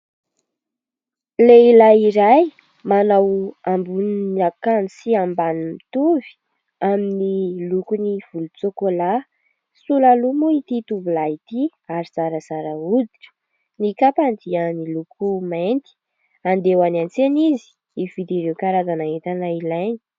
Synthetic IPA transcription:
leilaiɾaj | manawambunnakansiambanimit̪uvi̥ | aminilukuniv̥ulut͡sokola | sulalumuit̪it̪uvulait̪iaɾiz̥aɾəzaɾaud̪iʈ͡ʂə̥ | nikapand̪iənilukʰumajnt̪i̥ | and̪ewanant͡senizi̥ | iv̥id̪iɾewkaɾazanaɦet̪anailajni̥

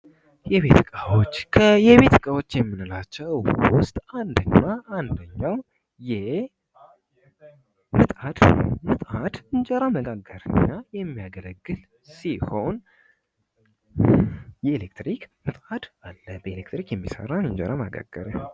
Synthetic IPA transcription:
jɛβet̪ʰɨkʼawot͡ʃːkʰəjɛβe̞t̪ɨkʼawo̞t͡ʃːjɛmːɨnɨlat͡ʃːɛwwʊst̪ʼand̪ɨɲːaʔand̪əɲːaw | jɛ | mɨt̪ʼad̪̥mɨt̪ʼad̪̥ɨnd͡ʒɛɾaməɡaɡːəɾɨ̰ɲːajɛmːijaɡələɡːɨl | siho̞n | jɛelek̚t̪ɾikmɨt̪ʼad̪̥alːəbəelekt̪ɾikjɛmːisə̰ɾawjɛnd͡ʒəɾama̰ɡa̰ɡːəɾə

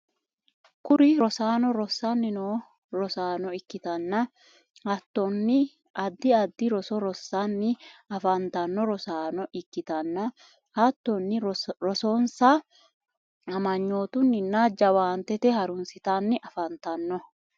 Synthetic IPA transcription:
kʊɾɪɾɔsaːnɔɾɔsːɐnːɪnoː | ɾɔsaːnɔɪkːɪt̪ɐnːɐ | hɐt̪ːɔnːɪ | ʔɐd̪ːɪɐd̪ːɪɾɔsɔɾɔsːɐnːɪɐfɐnt̪ɐnːɔɾɔsaːnɔʔɪkːɪt̪ɐnːɐ | hɐt̪ːɔnːɪɾɔsoːnsa | ɐmɐɲːo̞ːt̪ʊnːɪnːad͡ʒɐwaːnt̪ɛt̪ɛhɐɾʊnsɪt̪ɐnːɪʔɐfɐnt̪ɐnːɔ

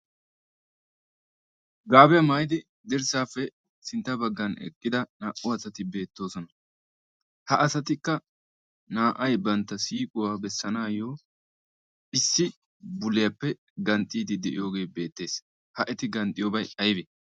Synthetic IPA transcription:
ɡaːbɛjɐmaːjɪd̪ɪ | d̪ɛɾsaːfːɛ | sɪnt̪ːɐbɐɡːɐnɛ̰kʼːɪd̪ɐnaːʔʊɐsɐt̪ɪbe̞ːt̪ːo̞ːsɔnɐ | hɐʔɐsɐt̪ɪkːɐ | naːʔɐjbɐnt̪ːɐsiːkʼʊwaːbɛsːɐnaːjoː | ʔɪsːɪ | bʊlːɪjɐpːɛ | ɡɐnt̪ʼːiːd̪ɪd̪ɛʔɪ̰jo̞ːɡe̞ːbe̞ːt̪ːe̞ːs | hɐʔɛt̪ɪɡɐnt̪ʼːɪjoːbɐjɐjbe

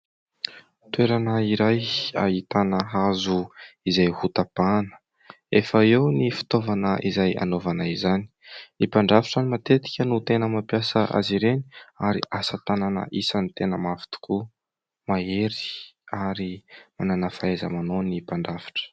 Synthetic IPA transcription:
t̪weɾanəiɾaja̰ɦit̪anəɦazuizajhut̪apanə̥ | efəewnifi̥t̪ovanəʔizaja̰novanaizani̥ipaɳɖ͡ʐafaʈ͡ʂanimat̪et̪i̥kʲənut̪enəmapjasəʔa̰ziɾeniaɾiʔasət̪ananə̰ʔisanit̪enəmafi̥t̪u̥ku | maeɾi̥aɾimananafaezə̰manonipaɳɖ͡ʐafḁʈ͡ʂə̥

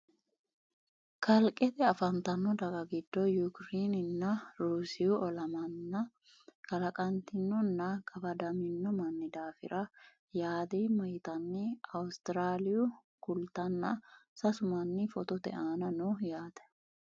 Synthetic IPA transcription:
kɐlkʼːɛt̪ɛɐfɐnt̪ɐnːɔd̪ɐɡɐɡɪd̪̥ːɔjʊkɾeːnɪnːɐɾuːsɪjʊʔɔlɐmɐnːɐ | kɐlɐkʼɐnt̪ɪnːɔnːɐkɐbɐd̪ɐmɪnːɔmɐnːɪd̪aːfɪ̰ɾʔɐ | jaːd̪imɐjt̪ɐnːɪɐwʊst̪ɪɾaːlɪjʊ | kʊlt̪ɐnːɐ̰sɐsʊmɐnːɪfɔt̪ɔt̪ɛ̰ʔaːnɐnuːjaːd̪ɛ̥

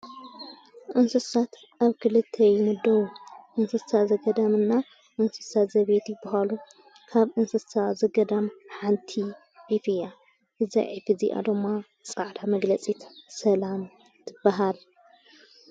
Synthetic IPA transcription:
ʔɨnsɨsat̪ | ʔaβkʰɨlɨt̪ʰːɐjɪmɨd̪ːɐwuʔɨnsɨssazɐɡɐd̪amɨnːa | ʔɨnsɨ̥sat̪zɐβet̪jɪbɐɦalu | kʰaβʔɨnsɨssazɐɡɐd̪amħant̪ʰi | ʔifɨja | ɨza̰ʕifizḭʔa̰d̪ɨmːa | t͡sʼaʕd̪ʰamɐɡlɐt͡sʼit̪ʰsɐlam | t̪ʰɨb̥ːaɦal

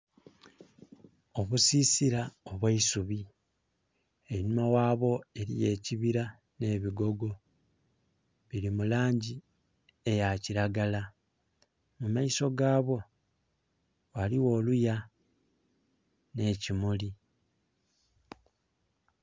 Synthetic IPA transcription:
o̞βusiːsiɾaoβwaisuβi | eɲumawaːβo̞e̞ɾḭje̞ːciβiɾa | ne̞βiɡo̞ɡo̞ | βiɾimulaːɲɟi | e̞jaciɾaɡala | mumaiso̞ɡaːβo̞ | waliwo̞ːluja | ne̞ːcimuli

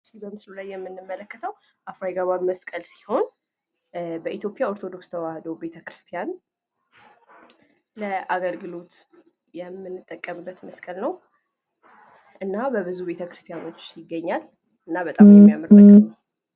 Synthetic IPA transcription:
t͡ʃːibəmɨslulajːɛmːɨnːɨmːələkːət̪ʰəw | ʔafɾajɡaβaβməskʼəlsi̥ho̞n | bəʔit̪jo̞pʼjao̞ɾt̪ʰo̞d̪o̞kst̪ʰəwahd̪o̞be̞t̪ʰəkɾɨst̪ʰijan | ləʔaɡəlɡɨlo̞t̪ | jɛmːɨnːɨt̪ʼːəkʼːəmɨbːət̪məskʼəlnəw | ʔɨnːabəbɨzube̞t̪ʰəkɾɨst̪ʰijano̞t͡ʃːjɪɡːəɲːal | ʔɨnːaβət̪ʼamjɛmijaməɾəkn

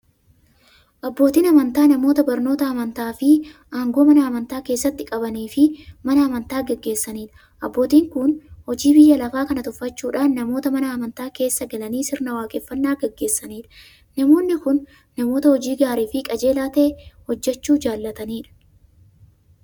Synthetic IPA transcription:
ʔɐbːo̞ːt̪iːnɐmɐnt̪aːnɐmo̞ːt̪ɐbɐɾno̞ːt̪ɐɐmɐnt̪aːfɪʔaːŋɡo̞ːmɐnɐɐmɐnt̪aːke̞ːsːɐt̪ːɪkʼɐbɐniːfɪmɐnɐɐmɐnt̪aːɡɛɡːe̞ːsːɐniːᶑɐ̥ | ʔɐbːo̞ːt̪iːŋkʊnhɔd͡ʒiːbɪjːɐlɐfaːkɐnɐt̪ʊfːɐt͡ʃːuːᶑaːnːɐmo̞ːt̪ɐmɐnɐːmɐnt̪aːke̞ːsːɐɡɐlɐniːsɪɾnɐwaːkʼɛfːɐnːaːɡɛɡːe̞ːsːɐniːᶑɐ̥ | nɐmo̞ːnːɪkʊnː | ɐmo̞ːt̪ɐhɔd͡ʒiːɡaːɾiːfɪkʼɐd͡ʒe̞ːlaːt̪eːhɔd͡ʒːɛt͡ʃːuːd͡ʒaːlːɐt̪ɐniːᶑɐ̥

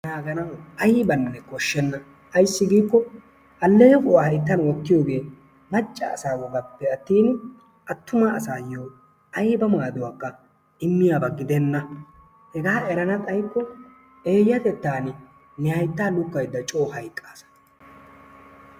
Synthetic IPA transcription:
naːɡɐnɐwɐjɪbɐnːɛkɔʃːɛnːɐ | ɐjsːɪɡiːkːɔ | ʔɐlːɛjɛfʼʊwahɐjt̪ːɐnwɔkːɪjo̞ːɡe̞ː | mɐt͡ʃʼːɐ̰ːsaːwɔɡɐpːɛɐt̪ːiːn | ɐt̪ːʊmaːsaːjoː | ɐjɪbɐmaːd̪ʊwaːkːɐ | ɪmːɪjaːbɐɡɪd̪ɛnːɐ | hɛɡaːɛɾɐnɐt̪ʼɐjkːɔ | eːjːɐt̪ɛt̪ːaːnɪ | nɪhɐjt̪ːaːlʊkːɐjd̪ːɐt͡ʃʼoːhɐjkʼːaːsɐ̥

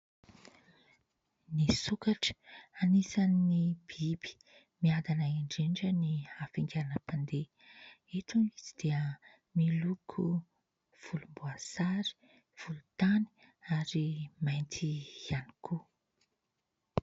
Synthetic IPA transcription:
nisukaʈ͡ʂə̥anisannib̥ib̥i̥ | miand̪anaiɳɖ͡ʐeɳɖ͡ʐənihafiŋɡʲaanəpand̪e | et̪ʰunizid̪̥eə | milukʰu | v̥ulumbuasaɾi̥ | v̥ulut̪ani̥ | aɾimajnt̪ʰianikʰu

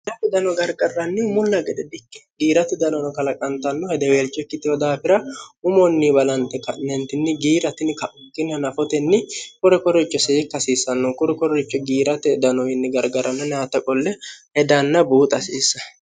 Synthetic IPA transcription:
d̪ɐt̪ːɪd̪ɐnɔɡɐɾɡɐrːɐnːɪmʊlːɐɡɛd̪ɛd̪ɪkːɛ̥ɡiːɾɐt̪ɛd̪ɐnɔnɔkɐlɐkʼɐnt̪ɐnːɔhɛd̪ɛweːlt͡ʃʼːɛkːɪt̪ɪwɔd̪aːfɪɾɐʊmɔnːibɐlɐnt̪ɛkɐʔnɛnt̪ɪnːɪɡiːɾɐt̪ɪnɪkɐʔʊkːɪnɐnɐfɔt̪ɛnːɪkʊɾɛkɔɾɛt͡ʃːɔseːkːɐsiːsːɐnːɔkʊɾɛkɔɾɛt͡ʃʼːɔɡiːɾɐt̪ɛd̪ɐnɔɪnːɪɡɐɾɡɐɾɐnːɐnat̪ːɐkʼɔlːɛhɛd̪ɐnːɐbuːt̪ʼɐsiːsːɐ

